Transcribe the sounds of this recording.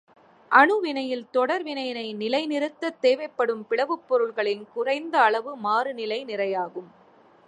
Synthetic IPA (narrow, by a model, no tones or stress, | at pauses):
ʔɐɳɯʋɪɳɐjɪlt̪ɔɽɐɾʋɪnɐjɪnɐɪnɪlɐɪnɪɾɯt̪ːɐt̪ːeːʋɐɪpːɐɽɯmpɪɭɐʋɯpːɔɾɯɭɣɐɭɪnkʊrɐɪnd̪ɐːɭɐʋɯmaːɾɯnɪlɐɪnɪrɐjaːɣɯm